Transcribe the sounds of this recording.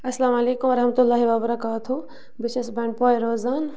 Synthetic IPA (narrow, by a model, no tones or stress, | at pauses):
ɐslaːmɐleːkumʋɐɾɐɦmɐt̪ulːaːɦiʋabɐɾɐkaːt̪ʰu | bɪʃesbɐ̃ːɳʈ̚poːeɾoːzaːn